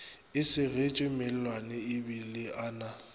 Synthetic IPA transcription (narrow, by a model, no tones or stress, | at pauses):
ɪsɪret͡ʃʼɪmel̩lwanɛɪbilɪʔaːna